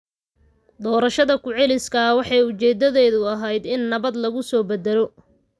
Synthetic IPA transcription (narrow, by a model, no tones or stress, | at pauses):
d̪ɔːɾɐʃɐðɐkʰʊʕɛlɪskʰɐwɑħɑjʊt͡ʃɛːd̪ɐðɛːðʊɐɦɛjd̪ɪnːɐβɐd̪lɐɣʊsɔːbɛd̪ɛlɔ